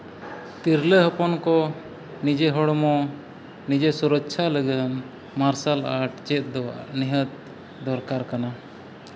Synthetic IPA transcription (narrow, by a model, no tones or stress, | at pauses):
t̪iɾləɦəpɔnkɔ | nid͡ʒeɦɔɽmɔ | nid͡ʒesuɾəkt͡ʃʰaləɡən | maɾsalaʈt͡ʃɛt̪̚d̪ɔ̰niɦət̪̚ | d̪ɔɾkaɾkana